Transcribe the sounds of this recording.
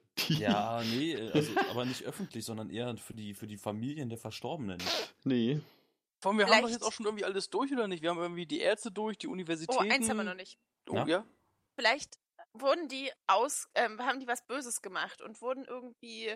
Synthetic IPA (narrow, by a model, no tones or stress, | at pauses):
jaːnəʔɛːʔazoʔa̰ːbɐnɪçtʔœfn̩tʰlɪçz̥ɔndɐnʔeːɐfyːɐdiːfyːɐdiːfamiːljəndeːɐfɛɐʃtɔɐbənə̰nnə | fɔʁanviɐhamdɔxjɛt͡sʔaʊʃoːnɪɐɡŋ̩tv̥iːʔaləsd̥ʊɐçʔoːdɐnɪçtviːɐhamʔɪɐɡŋ̩tv̥iːdiːʔɛ̰ːɐt͡stədʊɐçd̥iːʔunivɛɐzitoːʔɛːaɪnnh̩hamviɐnɔnɪç | ʔo̰aːjaː | fɪlaɪçt | vʊɐdn̩diːʔaʊsʔɛːmhaːbm̩diːvasb̥øːzəsɡ̥əmaχtʊ̰ntv̥ʊɐdn̩ʔɪɐɡŋ̩tv̥iː